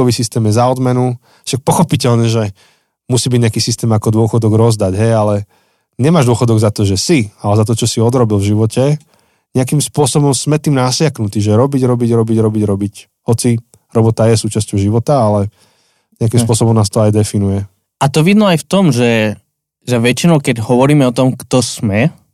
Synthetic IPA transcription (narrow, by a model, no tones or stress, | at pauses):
ɔʋisist̪ɛːmjɛzaɔd̪mɛnu | ʃak̚pɔxɔpicɛʎɲɛʒɛ | musiːbiɟɲɪakiːsist̪ɛːmakɔd̪ʊɔxɔd̪ɔɡɾɔzd̪aɟɦɛjalɛ | ɲɛmaːʒd̪ʊɔxɔd̪ɔɡzat̪ɔʒɛsialɛzat̪ɔt͡ʃɔsiɔd̪ɾɔbilˠvʒiʋɔcʰɛ | ɲɛak̬imspʊɔsɔbɔmsmɛt̪iːmnasɪaknut̪iːʒɛɾɔbiɟɾɔbiɟɾɔbiɟɾɔbiɟɾɔbic | ɦɔt͡si | ɾɔbɔt̪ajɛsuːt͡ʃascɔʊʒiʋɔt̪aalɛ | ɲɛakimspʊɔsɔbɔmnaːst̪ɔajd̪ɛfinujɛ | at̪ɔʋid̪nɔajft̪ɔmʒɛ | ʒɛʋɛt͡ʃinɔʊkɛɟɦɔʋɔɾiːmɛɔt̪ɔmkt̪ɔsmɛ